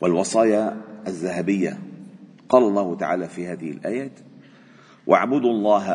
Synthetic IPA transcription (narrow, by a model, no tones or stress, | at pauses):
walwɑsˤɑːjaazːaɦabɪjːa̰ | qɑːlɑlˤːɑːhʊt̪aʕaːlaːfiːhaːðɪhɪlʔa̰ːjaːt̪ | wʔa̰ʕbʊd̪lˤːɑːɦ